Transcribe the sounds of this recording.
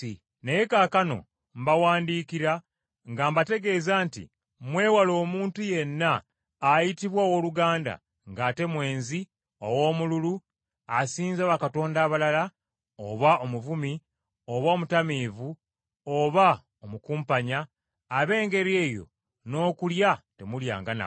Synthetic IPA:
neje̞kakano̞̰ | mbawaːndiːkiɾa | ŋɡaːmbate̞ɡe̞ːzaːntḭ | mwe̞ːwalo̞ːmuːntuje̞nːaː | jitiβwawo̞ːluɡaːnda̰ | ŋɡaːte̞mwe̞ːnzi | owo̞ːmululu | asiːnzaβakato̞ːndaːβalala | oβaʔomuvumi | oβaːmutamiːvu | oβa | omukuːmpaɲaː | βe̞ːŋɡe̞ɾie̞ːjo̞̰ | no̞ːkuljate̞mulja̰ːŋɡana̰

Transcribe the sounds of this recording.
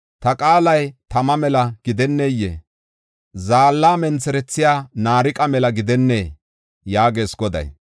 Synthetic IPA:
t̪ɐkʼaːlɐjt̪ɐmɐmɛlɐɡ̥ɪd̪ɛnːejːḛ | zaːlːaːmɛnt͡sɛɾɛt͡sːɪjaːnaːɾɪkʼɐmɛlɐɡɪd̪ɛnːeː | jaːɡe̞ːsɡɔd̪ɐ̰j

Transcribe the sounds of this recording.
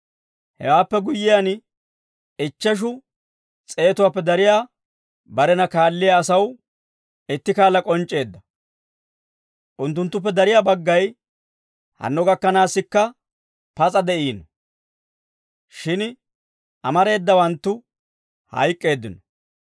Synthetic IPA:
hɛ̰waːpːɛɡʊjːɪjan | ɪt͡ʃːɛʃ̬ʊ | t͡sʼe̞ːt̪ʊwaːpːɛd̪ɐɾɪjaː | bɐɾɛnɐkaːlːɪjaːsɐw | ɪt̪ːɪkaːlːɐkʼɔnt͡ʃʼːe̞ːd̪ːɐ | ʔʊnt̪ːʊnt̪ːʊp̬ːɛd̪ɐɾɪjaːbɐɡːɐj | hɐ̰nːɔɡɐkːɐnaːsːɪkːɐ | pɐt͡sʼɐd̪ɛʔiːnɔ | ʃɪn | ʔɐmɐɾe̞ːd̪ːɐwɐnt̪ːʊ | hɐ̰jkʼːe̞ːd̪ːɪnɔ

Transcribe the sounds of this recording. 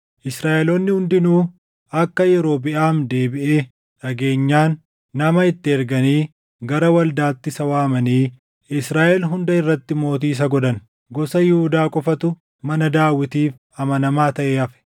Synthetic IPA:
ʔɪsɾaːʔɛloːnːɪhʊnd̪ɪnuː | ɐkːɐjɛɾo̞ːbɪʔaːmd̪e̞ːbɪʔeː | ᶑɐɡe̞ːɲːaːnː | ɐmɐɪt̪ːɪɛɾɡɐniː | ɡɐɾɐwɐld̪aːt̪ːɪsɐwaːmɐniː | ɪsɾaːʔɛlɦʊnd̪ɐɪrːɐt̪ːɪmo̞ːt̪̬iːs̬ɐɡɔd̪ɐn | ɡɔsɐjɪhʊd̪aːkʼɔfɐt̪ʊ | mɐnɐd̪aːwːɪt̪iːf | ɐmɐnɐmaːt̪ɐʔeːɐfɛ̥

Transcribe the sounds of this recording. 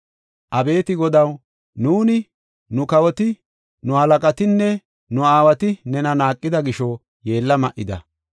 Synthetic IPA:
ʔɐbe̞ːt̪ɪɡɔd̪ɐw | nuːnɪ | nʊkɐwɔt̪ɪ | nʊhɐlɐkʼɐt̪ɪnːɛ | nʊaːwɐt̪ɪnɛnɐnaːkʼːɪd̪ɐɡɪʃɔ | je̞ːlːɐmɐʔɪd̪ɐ̰

